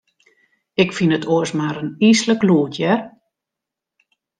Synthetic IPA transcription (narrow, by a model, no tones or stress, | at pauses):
ɪkfinətʰoəsmaɾənisləkluːtʰjɛr